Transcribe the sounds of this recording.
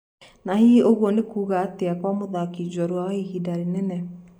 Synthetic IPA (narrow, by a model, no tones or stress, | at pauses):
nahioɣwɔnekuːɣaːteakwamoðakid͡ʑwɔɾwaihidaɾinɛnɛ